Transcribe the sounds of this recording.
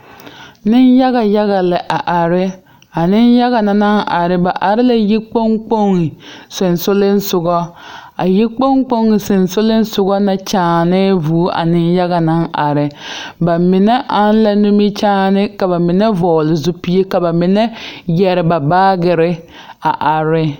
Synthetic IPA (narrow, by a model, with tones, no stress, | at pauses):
nɪ˦nja˦ɣa˨ja˦ɣa˨lɪ˨ʔa˨ʔa˨ɾɪ˦ | a˨nɪ˦nja˦ɣa˨na˨na˦nʔa˨ɾɪ˦ba˨ʔa˨ɾɪ˦la˨ji˦k͡po˦ŋk͡po˦ŋɪ˨sɪ˨nsʊ˦lɪ˦n˦sʊ˨ɡɔ˦a̰˨ji˦k͡po˦ŋk͡po˦ŋɪ˨sɪ˨nsʊ˦lɪ˦n˦sʊ˦ɡɔ˦na˨t͡ʃaː˦nɪ˦vuː˨˦ʔa̰˨nɪ˦nja˦ɣa˨na˦nʔa˨ɾɪ˨ba˨mɪ˨nɛ˦ʔa˦n˦la˦nu˦mi˦t͡ʃaː˦nɪ˦ka˨ba˨mɪ˨nɛ˦vɔː˨lɪ˨zʊ˦pi˦e˦ka˨ba˨mɪ˨nɛ˦jɛ˨ɾɪ˨ba˨baː˦ɡɪ˨ɾɪ˦ | a˨ʔa˨ɾɪ˦